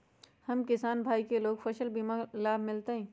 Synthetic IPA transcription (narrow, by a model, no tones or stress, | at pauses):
hɐmkɪsaːnbʱaːikeloːɡfʰɐʃəlbimalaːbʱmɪlt̪eɦɛ̃ː